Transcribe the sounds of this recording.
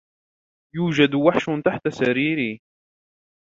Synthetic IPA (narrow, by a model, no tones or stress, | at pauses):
juːd͡ʒad̪waħʃʊt̪aħt̪asaɾiːɾiː